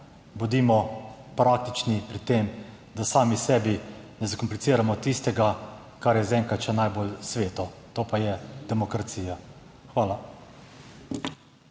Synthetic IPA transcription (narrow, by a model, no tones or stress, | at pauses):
bud̪iːmɔpɾaːk̚t̪it͡ʃnipɾit̪eːm | d̪asaːmisɛːbinɛzakɔmplit̪siːɾamɔt̪ist̪ɛɡa | kaɾjɛzɛːŋkat͡ʃɛnajbolsʋeːt̪ɔt̪oːpajɛd̪ɛmɔkɾat̪siːjaxʋaːla